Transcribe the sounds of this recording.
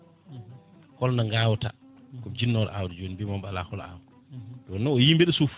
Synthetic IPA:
kɔlnaŋɡawɔta̰kɔd͡ʒinːɔl̰ʔa̰wdɛd͡ʒoːnibɛmambala̰hɔla̰w | dwɔnːɔɔjimbɛɗɔsof

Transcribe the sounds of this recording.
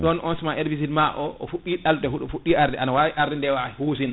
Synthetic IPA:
ɗɔnʔɔnsmaʔeɾbis̬idmaʔɔʔɔfuɗiɗaltɛɦuɗɔfuɗːiʔaɾdɛʔanawawiʔaɾdɛndɛwahos̬in

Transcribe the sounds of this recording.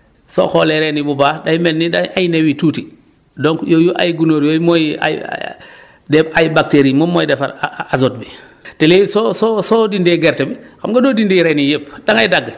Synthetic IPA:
so̰xɔlɛɾɛnibubaːdajmɛnːidaajnewituːti | dɔŋkjojuʔa̰jɡunoːɾjojmoja̰j̰ | dɛpajbak̚teɾimɔmːojdɛfa̰ɾazot̚bi | telesososodindeɡɛɾtebixamɡadoːdindiɾɛnijep̚daŋajdaɡː

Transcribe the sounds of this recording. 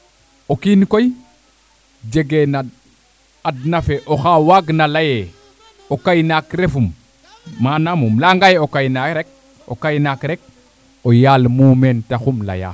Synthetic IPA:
okinkoj | d͡ʒeɡena | adnafeʔoxawaɡnalaje | okajnakɾefumː | anamumlaŋɡajeokajnaɾek̚ | o̰kajnakɾek̚ | ojalmuːmentaxumla̰ja̰

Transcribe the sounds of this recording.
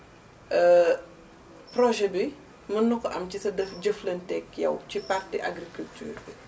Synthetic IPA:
ə | prɔʒɛbi | mɐnːukːʔɐ̰mcisɐdɐfɟəflɐntɛkːjɐ̰wcipartɛ̰ʔa̰ɡɾikultyːri

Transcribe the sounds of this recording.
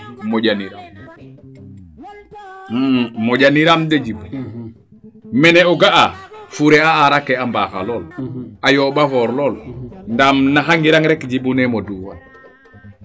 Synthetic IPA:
moɟaniɾam | moɟaniɾamdeɟib | mɛneuɡaʔafuɾeaaɾakeambaxa̰loːlajoːbafoɾloːlndaːmnaxaŋɡiɾaŋɾekɟibunemoduːwa

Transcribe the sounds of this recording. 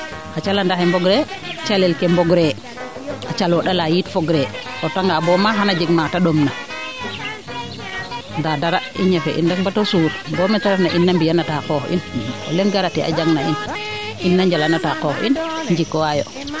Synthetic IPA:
ʔat͡ʃalandahɛmbɔɡɾɛt͡ʃalɛlkɛmbɔɡɾɛ | ʔat͡ʃalɔɗalajitfɔɡɾɛ | tɔtaŋɡabɔmaɦanad͡ʒiɡmataɗɔmna | ndadaɾaʔḭɲafɛ̰ʔḭndakbatɔsuɾbɔmɛtaɾanaʔinːambijanatakɔhʔḭnʔɔ̰lɛnɡaɾatiʔa̰d͡ʒaŋnaʔinʔinːaɲd͡ʒalanatakɔhɔ̰ʔḭnɲd͡ʒikːɔwajɔ̰

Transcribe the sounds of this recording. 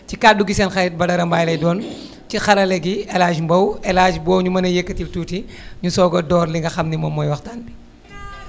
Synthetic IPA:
cikaːduɡisɛːnxɐɾɛt̚bɐdɐɾɐmbaːjlɐjdɔːn | cixɐlɐlɛɡiɛlaːd͡ʒmbɐwɛlaːd͡ʒbɔːwɲumɐnɐjekːətiltuːtiɲusɔːɡɔdɔːrliŋɡɐxɐmnimɔmːɔːjwɐxtaːnbi

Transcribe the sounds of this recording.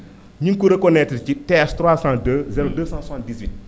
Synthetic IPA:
ɲiŋkuɾəkɔnɛtəcitɛːstɾwaːsãdəzɛɾodəsãːsãntdizwit̚

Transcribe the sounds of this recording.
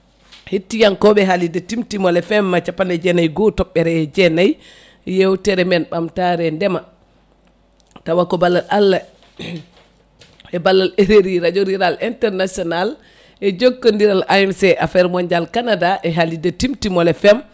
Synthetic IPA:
hetːijankɔɓɛɦalidatimtimɔlɛfɛmːat͡ʃapːanɛd͡ʒɛnajɡɔtɔɓːɛɾɛd͡ʒɛnaj | jɛwtɛɾɛmɛnɓamtaɾɛndɛma | tawakɔbalːalʔalːa | ɛbalːaleɾeɾiɾad͡ʒoɾiɾalintɛɾnasiɔnal | ɛd͡ʒoɡːɔndiɾalʔajmsɛʔafɛɾmɔɲd͡ʒalkanadaʔɛɦalidatimtimɔlɛfɛm

